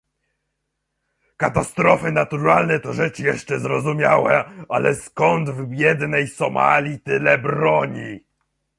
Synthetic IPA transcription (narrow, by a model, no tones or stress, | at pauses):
kat̪ast̪ɾɔfɘnat̪uɾalnɛt̪ɔʐɛt͡ʂjɛʂt͡ʂɛzɾɔzumʲjawɛalɛskɔnd̪vbʲjɛd̪nɛjsɔma̰lʲit̪ɘlɛbɾɔɲi